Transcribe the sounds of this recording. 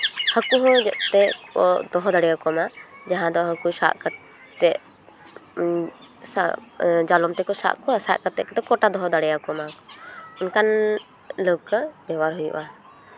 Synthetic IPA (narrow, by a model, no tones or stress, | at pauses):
həkuɦɔ̃d͡ʒəʔt̪ɛɔd̪ɔɦɔd̪aɽɛjakɔmad͡ʒaɦãd̪ɔɦəkusa̰ʔkə | t̪ɛʔ | sa̰d͡ʒalɔmt̪ɛkɔsa̰ʔkɔsa̰ʔkət̪ːɛʔkət̪ɛkɔʈad̪ɔɦɔd̪aɽɛjakɔmakɔunkan | ləb̚kəbɛwaɾɦujṵʔa